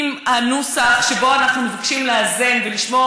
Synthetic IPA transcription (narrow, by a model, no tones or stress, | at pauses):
mhanusaχʃebo̞anaχnumevakʃimleaze̞nveliʃmo